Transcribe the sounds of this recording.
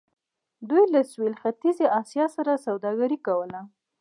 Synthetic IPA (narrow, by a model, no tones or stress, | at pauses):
d̪ujlaswelxat̪izeʔɑsjɑsaɾasawd̪ɑɡaɾikawəla